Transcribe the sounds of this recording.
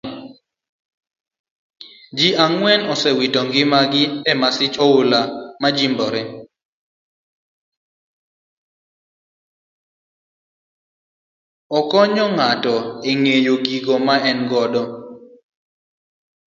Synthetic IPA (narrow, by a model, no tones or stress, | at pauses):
d͡ʒiʔaŋwɛnɔsɛwitɔŋɡɪmaɡɪɛmasɪt͡ʃɔʊlamad͡ʒimbɔɾɛ | ɔkɔɲɔŋatɔeŋejoɡiɡomaɛnɡɔdɔ